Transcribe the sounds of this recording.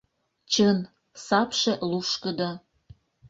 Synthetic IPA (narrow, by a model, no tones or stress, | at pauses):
t͡ɕɤn | sɑpʃĕluʃkəd̪ɑ